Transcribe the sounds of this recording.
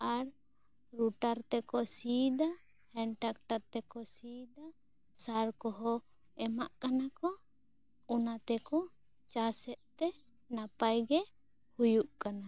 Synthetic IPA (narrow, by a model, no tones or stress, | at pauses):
aɾ | ɾuʈaɾt̪ɛkɔsid̪a | hɛnʈak̚ʈaɾt̪ɛkɔsid̪a | saɾkɔɦɔ | ɛmaʔkanakɔ | ɔnat̪ɛkɔ | t͡ʃasɛʔ̪̚t̪ɛ | napajɡɛ | hujuʔkana